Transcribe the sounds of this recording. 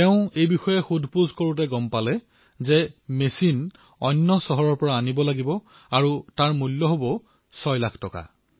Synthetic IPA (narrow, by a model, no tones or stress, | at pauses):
tɛʊ̃ejbixɔjɛxudʱpuzkoɹutɛɡɔmpalɛ | zɛmesin | ɔ̰nːɔsɔɦɔɹɔɹpɔɹaːnibɔlaɡibɔ | aɹutaɹmulːɔɦobɔ | sɔjlakʰtɔka̰